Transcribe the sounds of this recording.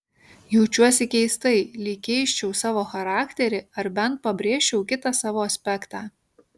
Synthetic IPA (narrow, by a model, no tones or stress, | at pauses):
jɛʊt͡ʃʲuɔsʲɪkʲɛɪst̪ɐɪlʲɪːkʲɛɪʃʲt͡ʃʲɛʊsɑːʋoːxɐɾɑːkʲt̪ʲɛɾʲɪɐɾbʲɛnt̪̚pɐbʲɾʲeːʃʲt͡ʃʲɛʊkʲɪt̪ɑsɑːʋoːɐsʲpʲɛkt̪ɑː